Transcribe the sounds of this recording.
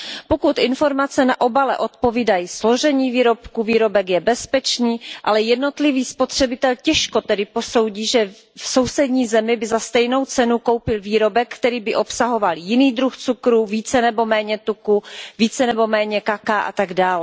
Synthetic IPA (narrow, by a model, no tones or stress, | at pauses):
po̞kut̪ʔɪnfo̞ɾmat͡sɛnaʔo̞balɛ̰ʔo̞t̪̚po̞viːdajislo̞ʒɛɲiːviːɾo̞pkuviːɾo̞bɛkjɛbɛspɛt͡ʃniːʔalɛjɛdno̞t̪lɪviːspot̪r̝̥ɛbɪt̪ɛlcɛʃko̞t̪ɛdɪpo̞so̞wɟiːʒɛ | fso̞wsɛdɲiːzɛmɪbɪzast̪ɛjno̞wt͡sɛnukowpɪlviːɾo̞bɛkːt̪ɛɾiːbɪʔo̞psaɦo̞valjɪniːd̪ɾuxt͡sukɾuviːt͡sɛnɛbo̞mɛːɲɛt̪ukuviːt͡sɛnɛbo̞mɛːɲɛkakaʔa̰t̪aɡdaːlɛ